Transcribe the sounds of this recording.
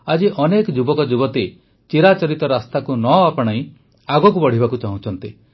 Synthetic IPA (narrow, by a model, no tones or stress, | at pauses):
ad͡ʒiʔɔnekɔd͡ʒubɔkɔd͡ʒubɔt̪e | t͡ʃiɾat͡ʃɔɾit̪ɔɾast̪akunɔapɔɽ̃aĩ | aɡɔk̬ubɔɽ̤ibakut͡ʃaɦũt͡ʃʰɔnt̪i